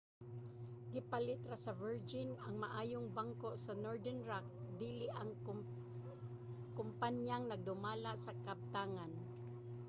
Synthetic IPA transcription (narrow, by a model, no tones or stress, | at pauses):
ɡɪpalɪt̪ɾasɐvɛɹd͡ʒɪnaŋmaʔaːjoŋbaŋkosanoɹd̪ɛnɹak̚d̪iːlɪʔaŋ | kʊmpanjaŋnɐɡ̚d̪ʊmaːlaʔsakab̚t̪aːŋan